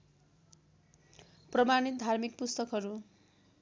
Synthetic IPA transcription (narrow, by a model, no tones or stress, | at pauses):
prʌmanit̪̚d̪ʱarmikpust̪ʌkɦʌɾu